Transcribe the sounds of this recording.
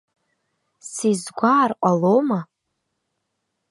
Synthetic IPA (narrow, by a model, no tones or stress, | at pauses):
sizɡʷaːrqʷʼaloma